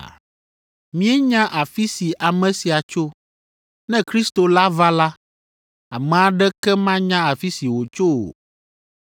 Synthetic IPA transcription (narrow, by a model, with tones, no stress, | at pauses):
mĩ˦ɛ˦ɲã˦ʔa˨fi˦si˨ʔa˨mɛ̃˨si˨a˨t͡ʃo˦ | nɛ̃˦kɾi˦st̪o˨la˦va˦la˦ | a̰˨mɛ̃˨a˨ɖɛ˦kɛ˦mã˦ɲã˦a˨fi˦si˨wo˨t͡ʃo˦wo̰˨